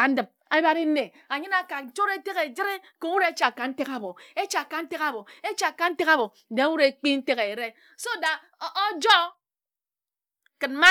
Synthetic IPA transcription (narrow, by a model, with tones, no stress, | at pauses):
a˨n̩˦dɨ˨p̚ | a˦ba˦ɾi˦ne˨ | a˨ɲɨ˦na˦ka˨n̩˨t͡ʃo˦ɾe˦te˦ɣe˨d͡ʒi˦ɾe˦ | ko˨wu˦ɾe˦e˦t͡ʃa˨ka˨n̩˦te˦ka˨bo˨e˦t͡ʃa˨ka˨n̩˦te˦ka˦bo˨e˦t͡ʃa˨ka˨n̩˦te˦ka˦bo˨de˨a˦wu˦ɾe˨˦k͡pi˦n̩˦te˦ɣe˨ɾe˦ | so˦˨da˨ | o˦d͡ʒɔ˦ | kɨ˨n˦ma˦